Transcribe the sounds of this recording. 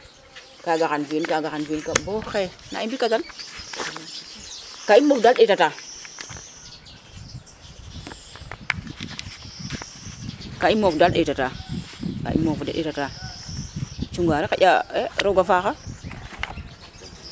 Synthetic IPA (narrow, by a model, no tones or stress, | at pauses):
kaɡakanfenkaɡaanfenkaboxena̰ibikatal | kaimofdalɗetata | kaimofdalɗetataka̰ʔḭmofdaɗḛtata | t͡ʃuŋɡaɾeka̰ʔʲa̰eɾoɡafaxa